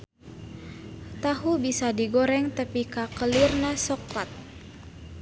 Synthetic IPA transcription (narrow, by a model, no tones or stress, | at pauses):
t̪aɦubisadiɡoɾɛŋt̪əpikakəlirnasɔklat̪̚